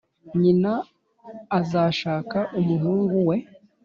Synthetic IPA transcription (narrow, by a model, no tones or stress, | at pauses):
ɲinaː | zaʃaːkaʔumuɦuːŋɡuwe̞